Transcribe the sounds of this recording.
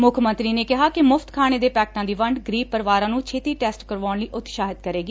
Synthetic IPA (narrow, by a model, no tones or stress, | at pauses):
mʊkʰmə̃nt̪ɾiːneːkɪɦaːkɪmʊfʰt̪kʰaːɽ̃eːd̪eːpɛːk̚ʈãːd̪iːʋəɳɖɡɾiːpəɾʋaːɾãːnũːt͡ʃʰeːt̪iːʈɛːsʈkəɾʋaːɳliːʔʊt̪ːʃaːɦɪd̪kəɾeːɡiː